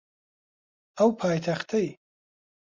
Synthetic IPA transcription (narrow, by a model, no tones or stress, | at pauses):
awpʰaːjt̪ʰaχt̪ʰɐj